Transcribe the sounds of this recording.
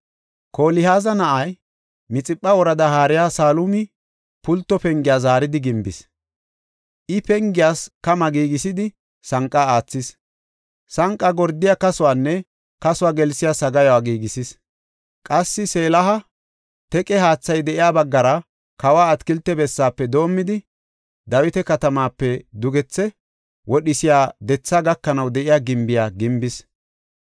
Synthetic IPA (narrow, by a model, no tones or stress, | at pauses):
kʰoːlɪhaːzɐnɐʔɐj | mɪt͡sʼɪpʼːɐɔɾɐd̪ɐɦaːɾɪjaːsaːlʊmɪ | pʊlt̪ːɔpɛŋɡɪjaːzaːɾɪd̪ɪɡɪmbɪ̰s | ʔɪpɛŋɡɪjaːskɐmɐɡiːɡɪsɪd̪ɪ | sɐŋkʼːaaːt͡sːɪs | sɐŋkʼːɐɡɔɾd̪ːɪjakɐsʊwaːnːɛ | kɐsʊwaːɡɛlsɪjasɐɡɐjɔwaːɡiːɡɪsɪs | kʼɐsːɪse̞ːlɐɦɐ | t̪ɛkʼɛɦaːt͡sːɐjd̪ɛʔɪjaːbɐɡːɐɾɐ | kɐwaːɐt̪kɪlt̪ːɛbɛsːaːpːɛd̪o̞ːmːɪd̪ɪ | d̪ɐwɪt̪ɛkɐt̪ɐmaːpːɛd̪ʊɡɛt͡sːɛ | wɔɗɪsɪjaːd̪ɛt͡sːaːɡɐkːɐnɐwd̪ɛʔɪjaːɡɪmbɪjaːɡɪmbɪs